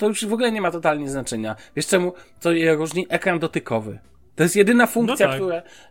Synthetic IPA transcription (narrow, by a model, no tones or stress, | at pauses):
t̪ɔjuʂvɔɡulɛɲɛmat̪ɔt̪alɲɛznat͡ʂɛɲavʲjɛʂt͡ʂɛmut̪sɔjɛɾuʐɲiʔɛkɾand̪ɔt̪ɘkʰɔvɘ̰ | t̪ɔjɛst̪jɛd̪ɘnafuŋkt̪sʲjakt̪uɾɛ